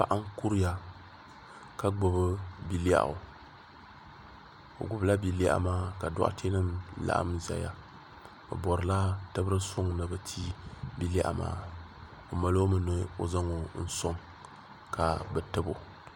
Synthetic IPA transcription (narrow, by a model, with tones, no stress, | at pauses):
pa̰˨ʔa˦ŋ˦ku˦ɾi˦ja˨ | ka˦ɡ͡bʊ˨bɨ˦bi˨la̰˦˨ʔʊ̰˨ | o̰˨ɡʊ˨bla˦bi˨li˦a̰˦ʔmaː˦ka˨dɔ̰˦ʔa̰˦tʰe˦nɨ˦mla̰˦ʔa̰˦mza̰˨ja˦ | bɨ̰˨bɔ˨ɾɨ˨la˦tɨ˦bɾɨ˦sʊ˦ŋnɨ˨bɨ˨tʰiː˦bi˦lʔma̰ː˦ | o˨ma˨lo˦mɨ˦no˨˦o̰˨za˦ŋo˨n̩˦so˦ŋ | ka˨bɛ˨tɨ˦bo̰˨